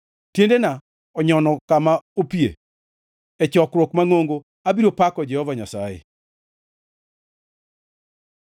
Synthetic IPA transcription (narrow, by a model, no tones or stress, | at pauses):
tjendena | ɔɲɔnɔkamaopiḛ | ɛt͡ʃɔkɾwɔkmaŋoŋɡo | abiɾopakɔd͡ʒɛhɔvaɲasajḛ